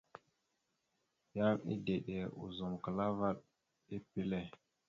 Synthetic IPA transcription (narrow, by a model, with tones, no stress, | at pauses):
ja˦mḭ˦de˨ɗe˨ṵ˨zo˨mkə˨la˦va˦ɗ̚ | i˦pi˦le˦˨